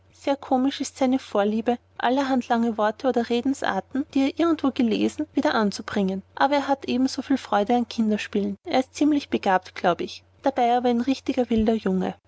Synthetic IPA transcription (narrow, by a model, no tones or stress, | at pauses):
z̥eːɐkʰoːmɪʃɪstsaɪnəfoːɐliːbə | ʔa̰ləɦantʰlaŋəvɔɐtʰəoːdɐʁeːdn̩sʔa̰ːɐtn̩d̥iːeːɐʔɪɐɡŋ̩tv̥oːɡəlḛːzn̩viːdɐʔant͡sub̥ʁɪŋənʔa̰ːbɐeːɐɦatʔeːbm̩z̥oːfiːlfʁ̥ɔʏdəankʰɪndɐʃpiːləneːɐɪst̚t͡siːmlɪçb̥əɡ̥aːp̚tɡ̥laʊbəɪç | d̥abaɪaːbɐanʁɪçtɪɡɐvɪldɐjʊŋə̰